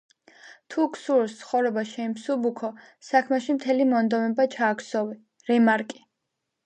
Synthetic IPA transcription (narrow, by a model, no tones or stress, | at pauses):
t̪ʰukʰsuɾst̪sʰχɔvɾɛbaʃɛimsubukʰɔ | sakʰmɛʃimt̪ʰɛlimɔnd̪ɔmɛbat͡ʃʰaːksɔvi | ɾɛmaɾkʼi̥